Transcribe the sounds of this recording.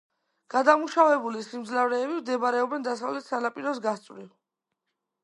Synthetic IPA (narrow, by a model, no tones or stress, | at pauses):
ɡ̥ad̪amuʃavɛbulisimd̪zlavɾɛːbimd̪ɛbaɾɛɔbɛnd̪asavlɛt̪ʰsanapʼiɾɔs̬ɡast̪sʼɾiv